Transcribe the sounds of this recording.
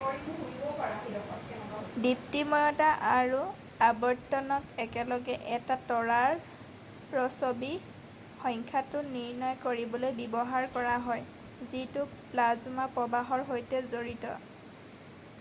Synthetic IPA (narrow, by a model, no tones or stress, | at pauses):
ibɔpaaiɔɔdiptimɔjɔtaʔaɹu | abɔɹtɔnɔtɛkɛlɔɡɛʔɛtatɔɹaɹ | pɹɔsobi | xɔjŋkʰatʊniɹnɔjkoɹibɔlojbibɔɦaɹkɔɹaɦɔj | zitʊplazʊmapɹɔbaɦɔɹɦojtɛzoɹitɔ̰